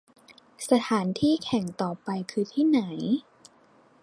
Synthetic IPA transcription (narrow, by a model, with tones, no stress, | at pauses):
sa˧t̪ʰaː˩˦nt̪ʰiː˥˩kʰɛ˨˩˦ŋt̪ɔː˨˩pa˧jkʰɯː˧t̪ʰiː˥˩na˩˦j